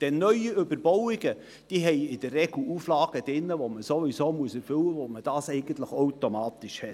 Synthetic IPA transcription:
d̥ɛnːœʏiʏbəɾbɔwɪɡ̥ə | d̥iːɦɛɪɪd̥ərːɛɡl̩uːflɑːɡ̥əd̥ɪnːəvoməsovisoːmuəsɛɾfʏwəvoməd̥ɑːsɛɪɡ̥ən̩t̪ləχoʊtomɑːt̪ɪʃhɛt

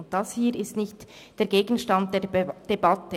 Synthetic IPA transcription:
nt̚d̥ɑshiːɾɪstnɪçt | d̥eːɐɡeːɡn̩ʃtɑnt̚d̥ed̥ebɑtə

